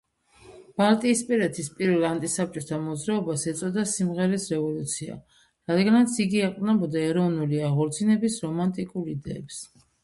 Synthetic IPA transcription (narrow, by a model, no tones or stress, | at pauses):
b̥alˠt̪ʼiːspʼiɾɛt̪ʰispʼiɾvɛlˠant̪ʼisap̚t͡ʃʼɔt̪ʰamɔd̪zɾaɔbasɛt̪sʼɔd̪asimʁɛɾisɾɛvɔlut̪sʰia̰ | ɾad̪ɡanat̪sʰiɡiaqʼvnɛbɔd̪aɛɾɔvnuliaʁɔɾt̪sʰinɛbisɾɔmant̪ʼikʼuɾid̪ɛːps